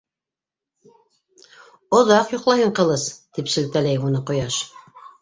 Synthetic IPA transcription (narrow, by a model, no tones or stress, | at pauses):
ŏðɑqjŏqlˠɑhɤɴqɤ̆lˠɤst̪ipsɘ̆lt̪ælæjunɤqŏjɑʃ